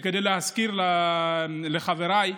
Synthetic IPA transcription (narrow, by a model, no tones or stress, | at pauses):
kedejlehaskiɾla | leχaveɾaj